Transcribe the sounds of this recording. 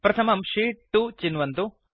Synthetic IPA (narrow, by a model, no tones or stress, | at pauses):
pɾɐt̪ʰɐmɐmʂiːʈːut͡ʃinʋɐnt̪u